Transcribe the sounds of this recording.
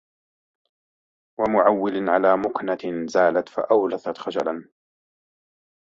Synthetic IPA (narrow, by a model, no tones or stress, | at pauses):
wamʊʕawːɪlʕalaːmʊknazaːlat̪fa̰ʔawlaθat̪xad͡ʒalan